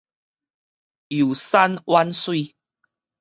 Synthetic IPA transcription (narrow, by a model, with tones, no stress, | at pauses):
ju˨˩sa˦nwa˦nswi˥˧